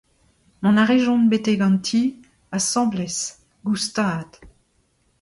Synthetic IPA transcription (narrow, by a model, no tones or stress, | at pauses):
mɔ̃naʁeʒɔ̃nbet̪eɡɑ̃nt̪ʰi | asɑ̃blɛs | ɡust̪aːd̪̥